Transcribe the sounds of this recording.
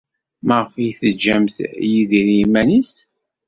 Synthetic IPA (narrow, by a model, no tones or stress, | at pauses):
məʁəfjiθəd͡ʒːæmθjiðiɾmːænis